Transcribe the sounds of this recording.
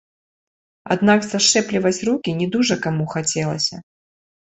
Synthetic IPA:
a̰d̪nakzaʂɛplʲivɐt͡sʲrukʲinʲɛd̪uʐɐkamuxat͡sʲɛlˠɐ̰sʲɐ

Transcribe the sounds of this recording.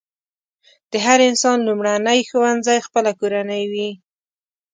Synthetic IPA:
d̪̥əɦaɾɪnsɑnlumɽanəjxowand̪zajxpəlakoɾanəjwi

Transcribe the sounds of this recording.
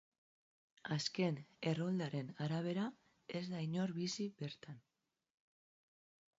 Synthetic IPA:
aske̞ne̞ro̞ld̪aɾenaɾaβ̞e̞ɾa | e̞zd̪aiɲo̞ɾβisiβe̞ɾt̪an

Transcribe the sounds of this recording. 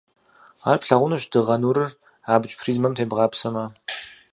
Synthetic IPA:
aːrpɬɐʁʷʊnɨɕd̥ɨʁɐnuːɾɨr | aːbɨt͡ʃʼpʰriːzmɐmtʰeːbʁɑːpsɐmɐ

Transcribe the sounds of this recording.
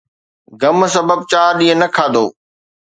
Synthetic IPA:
ɡɐmsɐbəb̚t͡ɕaːɾɗĩːɦə̃nɐkʰaːd̪o̰ː

